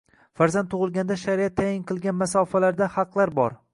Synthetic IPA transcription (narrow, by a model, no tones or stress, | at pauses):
faɾzant̪ʰːʊʁɨlˠɡʲand̪aʃaɾiat̪ʰːajɪŋqʰɨlˠɡʲanmasɒfalaɾd̪ahɑqlˠaɾbɒɾ